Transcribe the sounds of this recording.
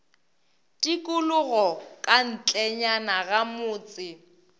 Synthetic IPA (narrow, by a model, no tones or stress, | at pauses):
tʼikʼʊlʊɣɔkʼan̩t͡ɬʼɛɲanaɣamʊːt͡sʼɪ